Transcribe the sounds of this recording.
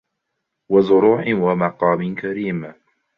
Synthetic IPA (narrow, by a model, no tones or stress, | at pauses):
wazʊɾuːħɪwamɑqɑːmɪnkaɾiːm